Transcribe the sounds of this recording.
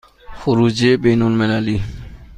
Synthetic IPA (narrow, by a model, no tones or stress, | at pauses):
foɾud͡ʒebenolmɛlali